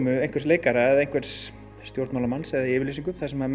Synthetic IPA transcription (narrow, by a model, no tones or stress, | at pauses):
mʏejnŋkvɛɾtsleːjkaɾaɛðejŋ̥kvɛɾs | st̪jowɾt̪mawlamansɛðaiɪːvɪɾliːsiŋkʏθaðsɛma